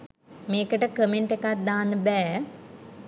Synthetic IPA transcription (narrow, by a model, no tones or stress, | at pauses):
meːkəʈəkəmeɳʈekat̪̚d̪aːnəbɛː